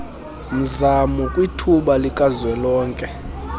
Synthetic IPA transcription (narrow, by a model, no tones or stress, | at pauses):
m̩zamukʼwitʰuɓalikʼazwɛlɔːŋkʼɛ